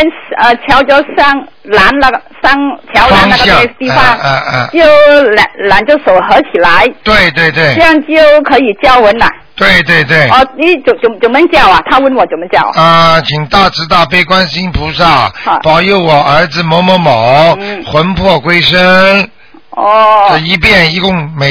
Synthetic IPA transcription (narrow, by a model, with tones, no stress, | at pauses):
ə˥nə˧˩t͡ɕʰjɑ˧˥ʊt͡ɕjo˥˧ʊsɑ˥˩ŋ | la˧˥nla˧˩˧sa˥ŋt͡ɕʰjɑ˧˥ʊla˨˥n˥ŋna˥ɕɡə˧ɑ˥˧e˥˧t̪i˥˧fɑ˧˥ŋ˧˩t͡ɕjo˥˧ʊla˨˧la˨˥nt͡ɕjo˥˩ʊso˨˩ʊxə˧˥t͡ɕʰi˨˩la˧˥ɪt̪we˥˧ɪt̪we˥˧ɪt̪we˥˩ɪ˥˧jɑ˥˧ŋt͡ɕjo˥˧ʊkʰɤ˧˥i˨˩t͡ɕjɑ˥˩ʊwə˧˥na̰˨˩ | t̪we˥˧ɪt̪̬we˥˧ɪt̪̬we˥˩ɪɔ˥˧˩ni˧˥t͡ɕjo˨˩ʊt͡ɕjo˨˩t͡ɕjo˨˩mə˧˥nt͡ɕjɑ˥˩ʊɐ˨˩t̪ʰa˥wə˥˩nwɔ˨˩t͡ɕjo˨˩mə˧˥nt͡ɕjɑ˥˩ʊa˧t͡ɕʰi˨˩ŋt̪a˥˩ʈ͡ʂɹ̩˧˥t̪a˥˩pe˥ɪkwa˥nɕi˥npʰu˧˥ʂa˥˩˧pɑ˨˩ʊjo˥˩ʊwɔ˨˩ə˞˧˥d͡zɹ̩˨˧mɔ˧˥mɔ˧˥mɑ˨˩˦ʊxwə˧˥npʰwɔ˥˧kwe˥ɪʂə˥ | ɔ˥˧o˥˧˩i˧˥pjɛ˥˩ni˧˥kʊ˥˩ŋme˧˩